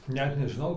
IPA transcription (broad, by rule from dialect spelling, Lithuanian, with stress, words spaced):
ˈnʲɛt nʲɛʒʲɪˈnɐʊ